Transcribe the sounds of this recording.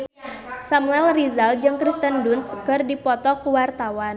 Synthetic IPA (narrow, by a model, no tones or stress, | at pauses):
samuɛlrizald͡ʒɨŋkɾist̪əndunt̪skɨrdipɔt̪ɔkuwart̪awan